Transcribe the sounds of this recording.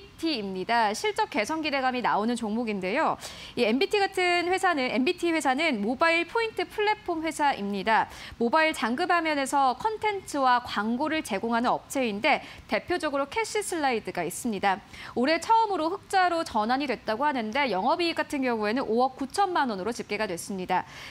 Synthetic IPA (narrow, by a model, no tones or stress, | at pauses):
tʰiːmɲidaɕʰiɭt͡ɕ͈ʌk͈e̞sʰʌnɡide̞ɡaminaonɯnt͡ɕoŋmoɡinde̞joie̞mbitʰiɡatʰɯnɸwe̞sʰanɯne̞mbitʰiɸwe̞sʰanɯnmobaiɭpʰointʰɯpʰɯɭːe̞pʰonɸwe̞sʰaʔimɲidamobaiɭt͡ɕaŋɡɯbhamjʌne̞sʰʌkʰʌntʰe̞nt͡ɕʰɯwakwaŋɡoɾɯɭt͡ɕe̞ɡoŋɦanɯnʌp̚t͡ɕʰe̞inde̞te̞pʰjod͡ʑʌɡɯɾokʰe̞ɕ͈ʰisʰɯɭːaidɯɡais͈ɯmɲidaoɾe̞t͡ɕʰʌɯmɯɾoɸɯk̚t͡ɕ͈aɾot͡ɕʌnaɲidwe̞t̚t͈aɡohanɯnde̞jʌŋɦʌbiɡatʰɯnɡjʌŋue̞nɯnʔoʌk̚k͈ut͡ɕʰʌnmanʌnɯɾot͡ɕip̚k͈e̞ɡadwe̞s͈ɯmɲida